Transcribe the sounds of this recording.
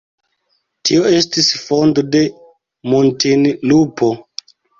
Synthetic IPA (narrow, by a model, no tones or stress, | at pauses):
tio̞e̞stisfo̞ndo̞de̞ | montinlupʰo̞